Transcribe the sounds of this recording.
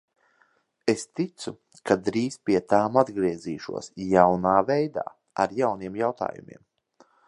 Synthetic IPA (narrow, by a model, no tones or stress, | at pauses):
est̪it̪su | kʰad̪ɾiːzpiɛt̪aːmad̪ɡɾiɛziːʃṵɔsjawnaːvɛjd̪a̰ː | a̰ɾjawniɛmjawt̪a̰ːjṵmḭɛm